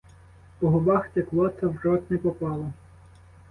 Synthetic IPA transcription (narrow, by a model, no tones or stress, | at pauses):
pɔɦɔbɑxt̪eklˠɔt̪sɐwrɔt̪nɛpɔpɑlˠɐ